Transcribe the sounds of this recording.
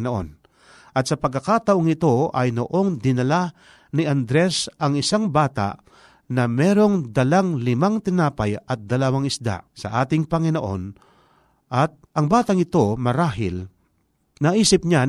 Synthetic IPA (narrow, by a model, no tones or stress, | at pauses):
noʔo̰n | ʔɐt̪̚sɐpɐɡkːɐkaːt̪ɐʔoŋɪt̪o̞ɐ̰jnoʔo̞ŋd̪ɪnɐla | nɪʔand̪ɾɛsɐŋɪsaŋbaːt̪a̰ʔ | nɐmɛːɾo̞ŋd̪ɐlaŋlɪmaŋt̪ɪnaːpajɐt̪̚d̪ɐlawaŋɪsd̪a̰sɐ̰ʔaːt̪ɪŋpɐŋɪnoʔo̰n | ʔɐt̪̚ʔɐŋbaːt̪aŋɪt̪o̞mɐɾaːɦɪ̰l | nɐʔiːsɪp̚ɲa